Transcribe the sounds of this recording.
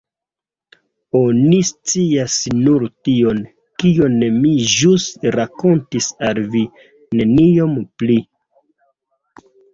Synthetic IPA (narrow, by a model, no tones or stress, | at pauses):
o̞nist͡siasnuɾtio̞n | kio̞nemiʒusɾako̞ntisalvi | ne̞nio̞mpli